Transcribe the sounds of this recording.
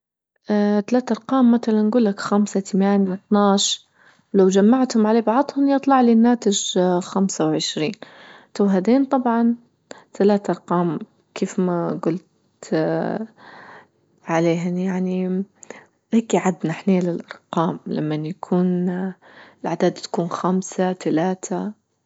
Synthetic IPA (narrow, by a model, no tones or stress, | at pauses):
at̪alaːt̪ʔɑɾˤqɑːmːaθalanːɡuːlːakxamsat̪amaːnjawɪt̪nɑːʃ | wlawd͡ʒamːaʕt̪hʊmʕaleːbɑʕd̪ˤhʊnjɨt̪ˤlɑʕlinːaːt̪ɪʒxamsawʕɪʃɾḭːnt̪awɦad̪eːnt̪ˤɑbʕɑn | t̪alaːt̪ʔɑɾˤqɑːm | kʰeːfmaɡʊlt̪ | ʕaleːɦanjaʕni | heːkiʕad̪naħneːlɪlʔɑɾˤqɑːmlamːanjakʰuːn | ɪlʕad̪aːd̪t̪ḁkuːnxamsat̪alaːt̪ʰa